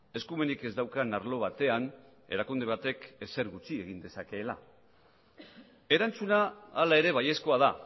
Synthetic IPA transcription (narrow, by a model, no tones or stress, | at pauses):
eskume̞nike̞zd̪awkanaɾlo̞β̞at̪e̞ane̞̰ɾakund̪e̞β̞at̪e̞ke̞se̞ɾɣut͡sie̞ɣind̪e̞sake̞ːla̰ | e̞ɾant͡sunaːlae̞ɾe̞βaje̞sko̞að̞a